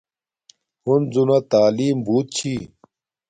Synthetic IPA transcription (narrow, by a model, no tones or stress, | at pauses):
hunzunat̪aːliːmbuːt̪̚t͡ɕʰiː